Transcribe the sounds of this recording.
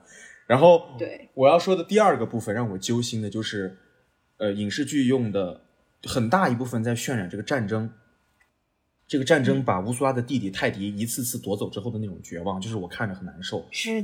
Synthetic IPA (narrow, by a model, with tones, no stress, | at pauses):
ɻa˧˥nxo˥˩ʊt̪we˥˩wɔ˨˩jɑ˥˩ʊʂwɔ˥d̪ə˨t̪i˥˧ɐ˞˥˩ɡə˩pu˥˩fə˨nɻɑ˥˩ŋwɔ˨˩t͡ɕjo˥ʊɕi˥nd̪ə˨t͡ɕjo˥˧ʊʂɻ̩˥˩ | ə˧i˨˩ŋʂɻ̩˥˧t͡ɕy˥˧jʊ˥˩ŋd̪ə˩ | xə˨˩nt̪a˥˩i˧˥pu˥˩fə˩nt͡sa˥˧ɪɕɥɛ˥˩nɻa˨˩nʈ͡ʂɤ˥˩ɡə˩ʈ͡ʂa˥˩nʈ͡ʂɤ˥ŋ | ʈ͡ʂɤ˥˩ɡə˩ʈ͡ʂa˥˩nʈ͡ʂɤ˥ŋpa˨˩u˧˥su˥la˥d̪ə˨t̪i˥˩t̪i˨˩t̪ʰa˥˩ɪt̪i˧˥i˧˥t͡sʰɹ̩˥˧t͡sʰɹ̩˥˩t̪wɔ˧˥t͡so˨˩ʊʈ͡ʂɻ̩˥xd̪ə˩na˥˩ʈ͡ʂʊ˨˩ŋt͡ɕɥɛ̰˧˥wɑ˥˧ŋt͡ɕjo˥˧ʊʂɻ̩˥˩wɔ˨˩kʰa˥˩nʈ͡ʂə˩xə˨˩nna˧˥nʂo˥˩ʊɻ̩˥˩